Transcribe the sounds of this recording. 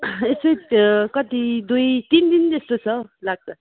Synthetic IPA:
esojkʌt̪id̪ujt̪ind̪int̪esʈot͡sʰʌlaɡ̚t͡sʰʌ

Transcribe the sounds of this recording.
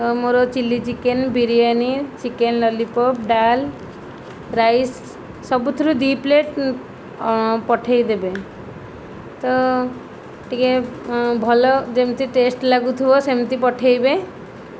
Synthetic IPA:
ɔmoɾot͡ʃilːit͡ʃikenbiɾijanit͡ʃikenlɔlipɔpɖal | ɾajsː | ɔbut̪ʰuɾud̪ipleʈ | pɔʈʰajd̪ebe | t̪ɔ | ʈikebʱɔlɔd͡ʒemt̪iʈesʈlaɡut̪ʰibɔsemt̪ipɔʈʰejbe

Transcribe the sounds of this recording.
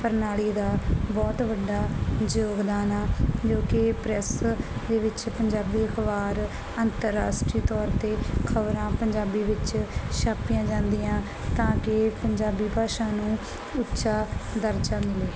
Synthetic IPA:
pəɾnaːliːd̪aːbɔːt̪ʋəɖːaːd͡ʒoːɡd̪aːnaːd͡ʒoːkɪpɾɛsd̪eːʋɪt͡ʃpəɲd͡ʒaːbiːəkʰʋaːɾ | ənt̪əɾːa̰ːsʈɾiːt̪ɔːɾt̪eːkʰəʋɾãːpəɲd͡ʒaːbiːʋɪt͡ʃʃaːpijãːd͡ʒãːnd̪iːãː | t̪ãːkɪpəɲd͡ʒaːbiːpaːʃãːnũː | ʊtːʃaːd̪əɾt͡ʃaːmɪleː

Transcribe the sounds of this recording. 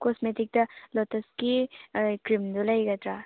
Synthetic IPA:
kosmetik̚tɐlotɐskikɾimdulɐjɡɐt̪ɾa

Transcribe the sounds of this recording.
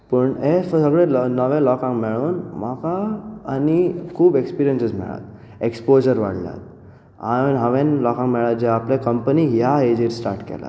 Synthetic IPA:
pəɳefsəɡɽẽlnəʋẽlɔkãŋkmeɭuːnmakaːnikʰuːbekspiɾijənsəsmɛ̰ɭa̰t̪̚ | ekspod͡ʑəɾʋa̰ɽlja̰t̪̚ | anɦãʋẽnlɔkãŋkmɛɭat̪̚d͡ʑeaplẽkəmpəniɦjaed͡ʑiɾsʈa̰ɾʈkɛ̰la̰

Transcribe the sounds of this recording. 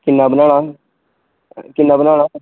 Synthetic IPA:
kɪnːaːbənaːɽaː | kɪnːaːbənãːaː

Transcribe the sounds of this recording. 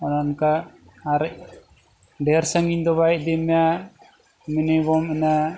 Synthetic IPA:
ɔnanka | aɾɛʔ̚ | ɖɛɾsaŋiɲd̪ɔβajʔ̚ˀd̪ɛmɛja | minibɔmɛna

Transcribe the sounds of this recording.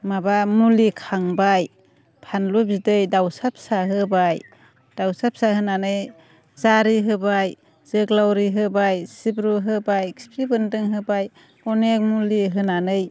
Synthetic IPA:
mabamulikʰaŋbaj | pʰanlup̚zidɯjdawsap̚saɦɯbaj | d̥awsap̚sahɯnanɯj | zaɾiɦɯbaj | z̥ɯɡlawɾiɦɯbajsibɾuɦɯbajkspɾibɯndɯŋɦɯbaj | ɔnek̚muliɦɯnanɯj

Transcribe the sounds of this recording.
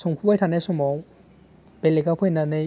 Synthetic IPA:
sɔŋpʰubajtʰanajsɔmɔw | b̥elekapʰɯjnanɯ

